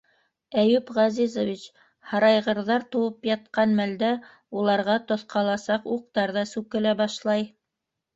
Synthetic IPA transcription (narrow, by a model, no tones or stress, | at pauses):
æjʉpʁɑzizovʲit͡ɕ | hɑɾɑjʁɤ̆ɾðɑɾt̪ŏwɤpjɑt̪̚qɑnmæld̪æ | ulˠɑɾʁɑt̪ŏθqɑlˠɑsɑquq̚t̪ɑɾðɑsʉkɘ̆læbɑʃlˠɑj